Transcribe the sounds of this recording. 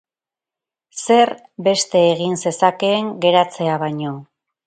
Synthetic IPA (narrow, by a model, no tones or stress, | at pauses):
se̞ɾ | be̞st̪e̞ːɣinse̞sake̞ːŋɡe̞ɾat͡se̞aβajɲo̞